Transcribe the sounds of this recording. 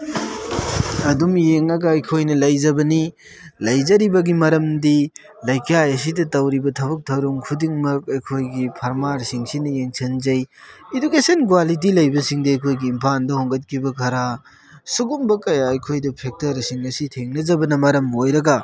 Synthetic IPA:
ɐdumjeŋɐɡɐɐjkʰojnɐlɐjzɐbɐni | lɐjzɐɾibɐɡimɐɾɐmdi | lɐjkajɐs̬idɐtɐwɾibɐtʰɐbɐk̚tʰɐwɾuŋkʰudiŋmɐk̚ɐjkʰojɡipʰɐɾmaɾsiŋsinɐjeŋsʰɐnzɐjedukesɐnk̬walit̬ilɐjbɐsiŋdɐɐjkʰojɡiːmpʰandɐhɔŋɡɐt̚kʰibɐkʰɐɾa | suɡumbɐkɐjaɐjkʰojdɐpʰek̚tɐɾsiŋɐsitʰeŋnɐzɐbɐnɐmɐɾɐmojɾɐɡɐ

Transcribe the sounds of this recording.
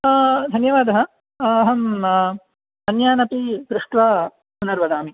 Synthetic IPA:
d̪ʱɐnjɐʋaːd̪ɐɦɐ̆ | ɐɦɐm | ɐnjaːnɐpipɾuʂʈ̪ʋa | punɐɾʋɐd̪aːmi

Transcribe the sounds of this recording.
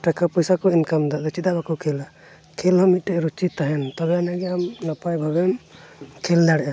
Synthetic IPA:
ʈakapɔjsakɔinkamd̪ad̪ɔt͡ʃid̪abakɔkʰɛla | kʰilɔmiʈɛɾut͡ʃit̪aɦɛnt̪ɔbɛanaɡɛamnapajbʱabɛnkʰɛld̪aɽɛʔa

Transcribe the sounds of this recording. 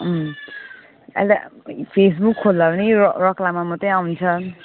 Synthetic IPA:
a̰lt̪a̰pʰes̬bukʰːolːabʌnirʌklamamʌtʌj̃aunt͡sʰʌ

